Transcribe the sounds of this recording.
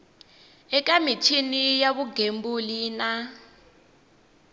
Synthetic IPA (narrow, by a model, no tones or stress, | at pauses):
ɛkʼamitʰinijaβuɡembuliːna